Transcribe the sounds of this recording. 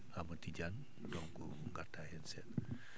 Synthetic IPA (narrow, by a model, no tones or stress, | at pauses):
amat̪id͡ʒan | tɔŋkṵ | ŋɡat̪ahɛnsɛt